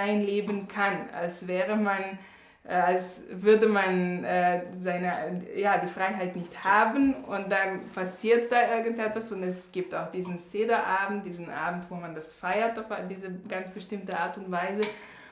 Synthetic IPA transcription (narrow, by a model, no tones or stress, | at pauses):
aɪnleːbənkʰana̰lsvɛːʁəman | ʔalsvʏɐdəmanʔɛːzaɪnəjaːdiːfʁ̥aɪɦaɪtnɪçthaːbən̩ʊnt̚d̥anpʰasiːɐt̚d̥aːʔɪɐɡən̩tɛtv̥asʊntɛsɡ̥iːp̚taʊxd̥iːzn̩t͡seːdɐʔaːbm̩td̥iːzn̩ʔa̰ːbn̩tv̥oːmandasfaɪɐtaʊfdiːzəɡ̥ant͡sb̥əʃtɪmtəʔaːɐtʊntv̥aɪzə